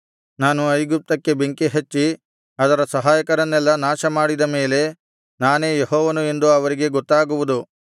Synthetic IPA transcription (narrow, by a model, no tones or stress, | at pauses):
naːnuɐjɡup̚t̪ɐkːe̞be̞ŋkeɦɐt͡ʃːi | ɐd̪ɐɾɐsɐɦaːjɐkɐɾɐnːɛlːɐnaːʃɐmaːɽid̪ɐme̞ːle̞ | naːne̞ːjeɦɔːʋɐnue̞nd̪uɐʋɐɾiɡe̞ɡɔt̪ːaːɡuʋud̪u